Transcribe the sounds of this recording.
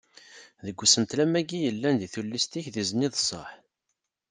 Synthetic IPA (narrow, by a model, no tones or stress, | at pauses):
ðəɡʷːsənt̪læmæɡijəlːænd̪iθulːist̪içðizniðsˤːə̰ħ